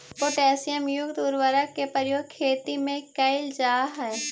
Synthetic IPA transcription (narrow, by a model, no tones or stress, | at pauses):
poːʈɛːsɪjəmjʊkt̪uːɾʋəɾək̚kːepəɾjoːɡ̚kʰːeːt̪imẽkɐɪld͡ʒaːɦɛː